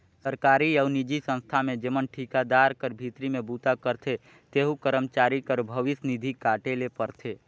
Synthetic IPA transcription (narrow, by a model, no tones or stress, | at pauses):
səɾkaːɾiəʊnid͡ʒisə̃nst̪ʰamẽd͡ʒemənʈʰikad̪aɾkəɾbʱit̪ɾimẽbut̪akəɾt̪ʰe | t̪eɦũkəɾəmt͡ʃaːɾikəɾbʱəʋɪsnid̪ʱikaːʈelepəɾt̪ʰe